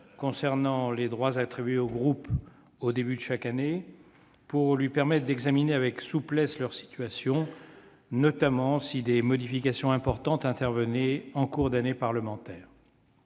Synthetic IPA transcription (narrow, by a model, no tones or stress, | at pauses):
kɔ̃sɛʁnɑ̃led̪ʁwazat̪χibɥeoɡʁup | od̪ebyd̪əʃakane | puʁlɥipɛʁmɛt̪χd̪ɛɡzamineavɛksuplɛslœʁsi̥t̪ɥasjɔ̃ | nɔt̪amɑ̃sid̪emɔd̪ifikasjɔ̃ɛ̃pɔʁt̪ɑ̃t̪ɛ̃t̪ɛʁvənɛɑ̃kuʁd̪anepaʁləmɑ̃t̪ɛːʁ